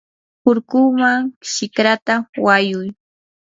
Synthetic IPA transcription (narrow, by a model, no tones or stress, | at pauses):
pʊɾkʊmaŋʃɪkɾat̪awajʊj